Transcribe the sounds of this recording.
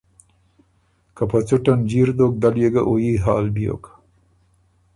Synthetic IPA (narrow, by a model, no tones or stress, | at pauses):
kapat͡sʊʈand͡ʑiɾd̪ok̚d̪aljeɡaʔojiɦɑːlbjo̰k